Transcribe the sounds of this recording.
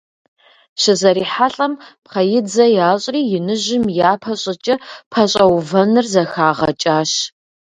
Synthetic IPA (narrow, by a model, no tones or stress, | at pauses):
ɕɪzɐɾiːħaɬʼɐmpqɐjɪd͡zɐjaːɕʼriːjɪnɨʑɪmjaːpʰɐɕʼɪt͡ʃʼɐpʰɐɕʼɐwvɐnɨrzɐxaːʁɐ̰t͡ʃʼaːɕ